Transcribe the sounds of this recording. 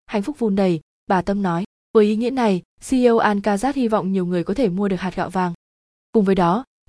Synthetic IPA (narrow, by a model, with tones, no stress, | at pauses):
ha̰˧˨jŋ̟fʊ˦˥k͡p̚vu˨˧nɗə˨˩j | ɓaː˨˩t̪ə˧mnɔ˨˦j | vəː˨˦jʔi˨˦ŋḭ˧˥əna˨˩j | si˧ə˧wʔaː˧nkaː˧zaː˦˥t̚hi˧vɔ̰˧˨wŋ͡mɲi˨˩əwŋɨ˨˩əjkɔ˨˦t̪ʰe˧˩mu˧əɗɨ˨˩ək̚haː˨˩t̚ɣɔ̰ː˧˨wvaː˨˩ŋ | kʊ˨˩ŋ͡mvəː˨˦jɗɔ˨˦